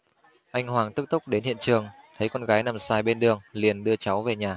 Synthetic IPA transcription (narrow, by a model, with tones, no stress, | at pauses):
ʔa˧jŋ̟hwaː˨˩ŋt̪ɨ˦˥k̚t̪ʊ˦˥k͡p̚ɗe˨˦nhḭ˧˨ənt͡ɕɨ˨˩əŋt̪ʰə˨˦jkɔ˧nɣaː˨˦jna˨˩msaː˧˩jɓe˧nɗɨ˨˩əŋli˨˩ənɗɨ˧ət͡ɕa˨˦wve˨˩ɲaː˨˩